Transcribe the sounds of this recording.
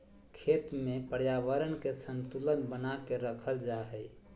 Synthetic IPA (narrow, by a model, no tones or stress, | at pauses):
kʰet̪mẽpəɾjaʋəɾənkesə̃nt̪ulənbənakeɾəkʰəld͡ʒaɦəj